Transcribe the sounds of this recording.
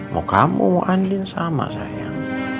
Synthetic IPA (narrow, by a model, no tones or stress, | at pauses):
mʔokamṵmoʔandinsama̰sa̰ja